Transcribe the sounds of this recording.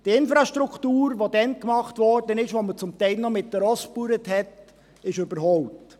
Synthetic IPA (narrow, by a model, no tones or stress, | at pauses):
d̥iɪnfɾɑʃtɾuktuːɾʋodɛnkmɑχtʋɔɾd̥ənɪʃʋomət͡sʊmt̪ɛɪlnɔmɪtd̥əɾɔspuɾəthɛt | ɪʃøbəɾɦɔʊpt